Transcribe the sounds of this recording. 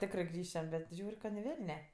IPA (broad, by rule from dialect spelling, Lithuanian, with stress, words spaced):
ˈtʲæːkrɜ ˈɡrʲiːʃʲɛm bʲɛt ˈʒʲuːrʲ kɐ nʲɪ ˈʋʲɛlʲnʲɛ